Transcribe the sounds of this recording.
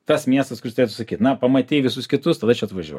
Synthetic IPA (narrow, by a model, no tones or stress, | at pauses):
t̪ɐsmʲiɛst̪ɐskʊɾʲɪst̪ɾʲeːt̪ʊsɐkʲiːt̪nɐpɐmɐt̪ʲiːʋʲɪsʊskʲɪt̪ʊst̪ɐd̪ɐt͡ʃʲɛɐt̪ʋɐʒʲuɔj